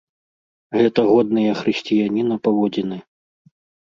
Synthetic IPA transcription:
ɣɛt̪ɐɣɔd̪̚nɨjɐxɾɨsʲt͡sʲijanʲinɐpavɔd͡zʲinɨ

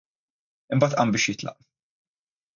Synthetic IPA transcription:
ɪmbɐːt̪ʔɐmbɪːʃjɪt̪lɐ̰ʔ

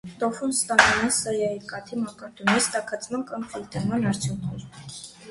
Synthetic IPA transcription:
t̪ɔfunst̪ɑnumɛnsɑjɑiɾkɑt̪ʰimɑkɑɾt̪unist̪ɑkʰɑt͡sʰmɑnkɑmkult̪ɛɾmɑnɑɾt͡sʰjuŋkʰnɛɾ

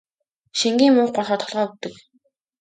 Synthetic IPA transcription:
ʃiŋɡʲiːŋmuŋχɢɔrχɔːt̪ʰɔɮʁɔːut̪ɘ̆k

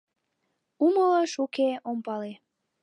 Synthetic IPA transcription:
umələʃukeompɑle

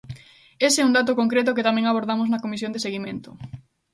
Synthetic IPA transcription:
eseuŋd̪at̪̬ʊkoŋkɾet̪ʊket̪amẽŋaβ̞oɾðamoznɐkomisjõnd̪eseɣimẽnt̪ʊ

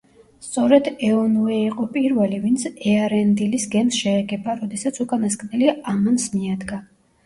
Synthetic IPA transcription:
st̪sʼɔɾɛd̪ɛɔnuɛiqʼɔpʼiɾvɛlivint̪sʰɛaɾɛnd̪ilisɡɛmsʃɛːɡɛbaɾɔd̪ɛsat̪sʰukʼanaskʼnɛliamansmiad̪ɡa

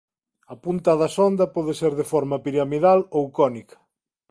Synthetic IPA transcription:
ɐpunt̪ɐðɐsɔnd̪ɐpɔðeseɾðefɔɾmɐpiɾamiðalowkɔnikʰɐ̥

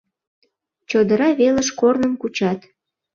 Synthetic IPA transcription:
t͡ɕod̪əɾɑβeləʃkornəmkut͡ɕɑt̪

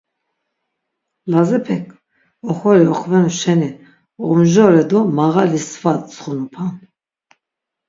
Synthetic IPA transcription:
lazɛpʰɛkʰ | ɔχɔɾiɔχvɛnuʃɛni | ɔmʒɔɾɛd̪ɔmaʁalisvat̪̚t͡sʰχɔnupʰan

